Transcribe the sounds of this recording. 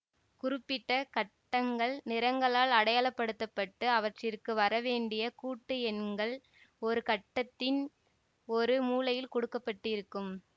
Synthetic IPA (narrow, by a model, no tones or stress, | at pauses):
kʊrɪpːɪʈːɐkɐʈːɐŋɡɐɭnɪɾɐŋɡɐɭaːlɐɽɐjaːɭɐpːɐɽɯt̪ːɐpːɐʈːɯɐʋɐʈrɪrkɯʋɐɾɐʋeːɳɖɪjɐkuːʈːɯɛnɡɐɭ | ɔɾɯkɐʈːɐt̪ːɪn | ɔɾɯmuːlɐjɪlkɔɽɯkːɐpːɐʈːɯɪɾɯkːɯm